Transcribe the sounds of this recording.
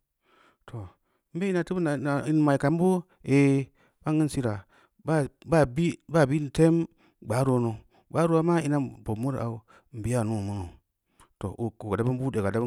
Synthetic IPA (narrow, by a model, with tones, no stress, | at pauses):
tʰo˨ | m̩˦be˦i˦na˨ti˦bna˨a˨i˨n˨ma˨i˨ka˨m˦bo˦ | e˨ | ba˦ŋ˦i˦n˦si˦ɾa˨ | ba˦ba˦bi˦ba˦˨bi˦n˨te˦m | ɡ͡ba˨˦ɾo˨˦no˨ | ɡ͡ba˦ɾo˦a˦ma˦i˦na˦˨bo˨mu˦ɾa˨u˨˦ | m̩˨bi˦a˦˨nu˦˨mu˦no˨ | to̰˨ʔu˨ku˨ɡa˨da˦bu˦nbu˦de˨ɡa˨da˦b